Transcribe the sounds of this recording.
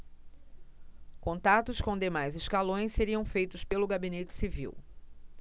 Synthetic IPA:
kõnt̪at̪ʊskõw̃d̪emajzɪskalõj̃sseɾiɐ̃w̃fejt̪ʊspelʊɡabinet͡ʃɪ̥sivḭw

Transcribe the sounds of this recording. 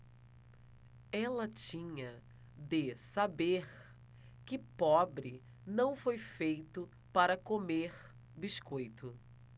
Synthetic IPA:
ɛlɐt͡ʃĩɲɐ | d̪ɪsabeɾ | kɪpɔbɾɪ | nɐ̃w̃fojfejt̪ʊ | paɾɐkomeɾ | biskojt̪ʊ

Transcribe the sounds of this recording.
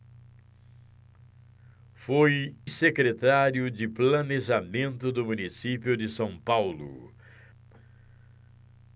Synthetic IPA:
fojsekɾet̪aɾjʊd͡ʒɪplɐneʒamẽnt̪ʊd̪ʊmunisipiʊd͡ʒɪsɐ̃w̃pawlʊ̰

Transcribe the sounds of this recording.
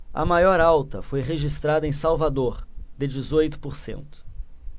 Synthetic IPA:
ɐ̰majɔɾawt̪ɐfojʁeʒist̪ɾad̪ɐẽsawvad̪oɾd̪ɪd͡ʒizojt̪ʊ̥poɾsḛ̃nt̪ʊ̥

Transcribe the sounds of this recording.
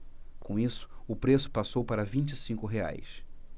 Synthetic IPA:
kõw̃isʊ̥ʊpɾesʊ̥pasowpaɾɐvĩt͡ʃisĩŋkʊɦea̰js

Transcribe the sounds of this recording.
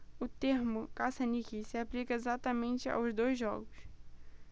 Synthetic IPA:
ʊt̪eɾmʊkasɐnikisɪaplikɐezat̪ɐmẽnt͡ʃɪa̰wzd̪ojzʒːɔ̰ɡʊs

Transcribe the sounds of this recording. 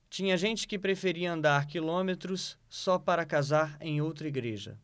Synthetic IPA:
t͡ʃĩɲɐʒẽnt͡ʃɪ̥kɪpɾefeɾiɐɐ̃nd̪aɾkilõmet̪ɾʊsːɔpaɾɐkazaɾẽj̃owt̪ɾɐiɡɾeʒɐ̰

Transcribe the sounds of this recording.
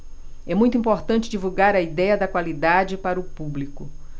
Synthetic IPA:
ɛmũj̃t̪uĩpoɾt̪ɐ̃nt͡ʃɪd͡ʒivuɡaɾɐid̪ɛjɐd̪ɐkwalid̪ad͡ʒɪpaɾɐʊpublikʊ

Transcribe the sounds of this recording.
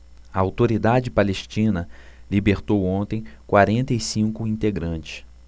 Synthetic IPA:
ɐawt̪oɾid̪ad͡ʒɪpaleʃt͡ʃĩnɐlibeɾt̪owõnt̪ẽj̃kwaɾẽnt̪ɐisĩŋkʊĩnt̪eɡɾɐ̃nt͡ʃɪ̥s

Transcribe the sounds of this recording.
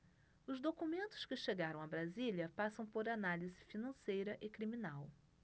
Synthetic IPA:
ʊzd̪okumẽnt̪ʊ̥skɪʃeɡaɾɐ̃w̃abɾaziljɐpasɐ̃w̃poɾanalizɪfinɐ̃sejɾɐʔɪkɾimĩnaw

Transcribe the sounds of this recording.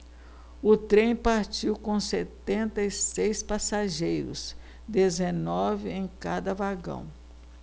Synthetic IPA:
ʊt̪ɾẽj̃paɾt͡ʃiwkõw̃set̪ẽnt̪ɐisejspasaʒejɾʊ̰s | d̪ezenɔvɪẽj̃kad̪ɐvaɡɐ̰̃w̃

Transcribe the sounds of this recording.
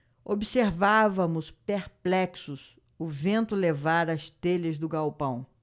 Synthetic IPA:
obiseɾvavɐmʊspeɾplɛksʊs | ʊvẽnt̪ʊlevaɾɐst̪elɐzd̪ʊɡawpɐ̃w̃

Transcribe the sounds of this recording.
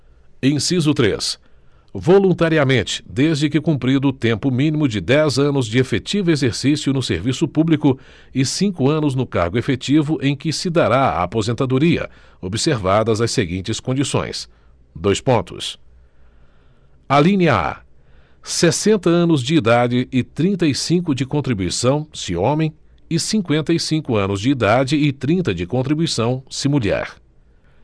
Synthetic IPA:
ẽj̃sizʊt̪ɾḛs | volũnt̪aɾiɐmẽnt͡ʃɪ̥d̪ezd͡ʒɪkɪkũmpɾid̪ʊʊt̪ẽmpʊmĩnimʊd͡ʒɪd̪ɛzɐ̃nʊzd͡ʒɪefet͡ʃivʊezeɾsisjʊnʊsḛɾvisʊpublikʊ | ɪsĩŋkʊɐ̃nʊznʊka̰ɾɡʊefet͡ʃivʊʔẽj̃kɪsɪd̪aɾaa̰a̰pozẽnt̪ad̪uɾiɐ̰ | obiseɾvad̪ɐzɐseɡĩnt͡ʃɪskõnd͡ʒisõ̰j̃s | d̪ojspõt̪ʊ̰s | alĩniɐa̰ | sesẽnt̪ɐɐ̃nʊzd͡ʒɪːd̪ad͡ʒɪʔɪt̪ɾĩnt̪ɐisĩkʊd͡ʒɪkõnt̪ɾibuisɐ̃w̃sɪõmẽj̃ | ɪsĩkwẽnt̪ɐisĩkʊɐ̃nʊzd͡ʒɪːd̪ad͡ʒɪɪt̪ɾĩnt̪ɐd͡ʒɪkõnt̪ɾibuijsɐ̃w̃simuʎɛ̰ɾ

